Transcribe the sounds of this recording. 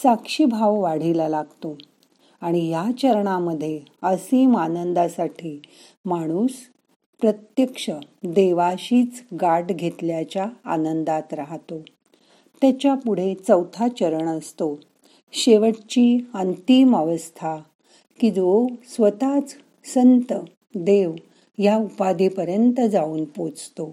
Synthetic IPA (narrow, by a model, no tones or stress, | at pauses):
sakʂibʱawʋaɽ̤ilalaɡt̪o | aɽ̃ijat͡ɕəɾɳaməd̪ʱːjeəsiːmanənd̪asaʈʰiː | maɽ̃uːs | pɾət̪jəkʂəd̪eʋaɕiːt͡sɡaʈɡʱet̪ljat͡ɕjaːnənd̪at̪ɾaɦt̪o | t̪jat͡ɕjapuɽ̤et͡səwt̪ʰat͡ɕəɾəɳəst̪o | ɕeʋəʈt͡ɕiːənt̪iməʋəst̪ʰa | kid͡zosʋət̪at͡s | sənt̪ə | d̪eʋ | jaupad̪ipəɾjənt̪əd͡zauːnpot͡st̪o